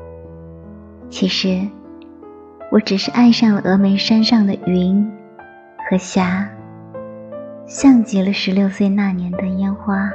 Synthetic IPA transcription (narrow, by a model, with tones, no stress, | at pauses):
t͡ɕʰi˧˥ʂɻ̩˧˥ | wɔ˨˧˥ʈ͡ʂɻ̩˨˩ʂɻ̩˥˧ʔa˥˧nʂɑ˥˩ŋlə˩ʔɤ˧˥me˧˥ɪʂa˥nʂɑ˥˩ŋd̪ə˩i˧˥n | xɤ˧˥ɕja˧˥ | ɕjɑ˥˩ŋt͡ɕi˧˥lə˧ʂɻ̩˧˥ljo˥˧ʊswe˥˧ɪna˥˩njɛ˧˥nd̪ə˧jɛ˥nxwa˥